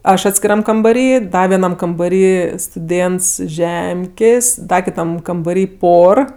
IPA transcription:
ˈɐʃ ɐtʲsʲkʲɪˈrɐm kɐmbɐˈrʲiː ˈdɐ ʋʲiɛˈnɐm kɐmbɐˈrʲiː stʊˈdʲeːnts ɪʃ ˈʒʲɛmʲkʲeːsʲ ˈdɐ kʲɪˈtɐm kɐmbɐˈrʲiː ˈpoːr

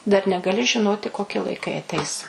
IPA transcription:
dɐr nʲɛɡɐˈlʲɪ ʒʲɪˈnoːtʲɪ koːˈkʲɪ lˠɐɪˈkɐɪ ɐˈtʲɛɪs

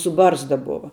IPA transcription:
sʊ ˈbɐrzdɐ ˈboːʋɐ

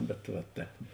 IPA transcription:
bʲɛt ʋɐ ˈtʲɛːp

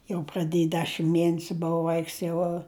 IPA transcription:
jɛʊ prɐˈdʲeːj ˈdʲæːʃʲɪm ˈmʲiɛnʲɛsʲʊ ˈboːʋɐ ˈʋɐɪks ˈjɛʊ

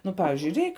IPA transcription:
ˈnʊ ˈpɑːʋʲɪʒʲʊɪ ˈrʲɛɪk

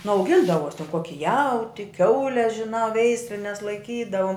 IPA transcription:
nʊ ɐʊˈɡʲɪndɐʋoːs tʲɛn ˈkoːkʲɪ ˈjɛʊtʲɪ ˈkʲɛʊlʲɛ ʒʲɪˈnɑː ˈʋʲɛɪsʲlʲɪnʲɛs lˠɐɪˈkʲiːdɐʋoːm

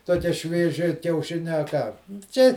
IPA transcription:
toːˈkʲiɛ ʃʲʋʲiɛˈʒʲɪ kʲɛʊˈʃʲɪnʲɛ ɐ ˈkɑː ˈt͡ʃʲɛ

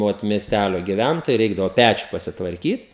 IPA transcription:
ˈoːt mʲiɛsʲˈtʲælʲoː ɡʲɪˈʋʲæntoːjɛɪ ˈrʲɛɪɡdɐʋoː ˈpʲæt͡ʃʲʊ pɐsʲɪtʋɐrʲˈkʲiːt

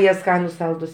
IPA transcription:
ˈjiɛ ˈskɑːnʊs ˈsɐlˠdʊs

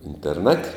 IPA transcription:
ɪnʲtʲɛrˈnɐtʲ

